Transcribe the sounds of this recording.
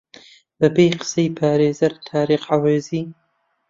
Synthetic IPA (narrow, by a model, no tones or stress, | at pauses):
b̥ɐbejqɨ̥sejpʰaːɾeːzɐɾt̪ʰaːɾiːχʕaweːziː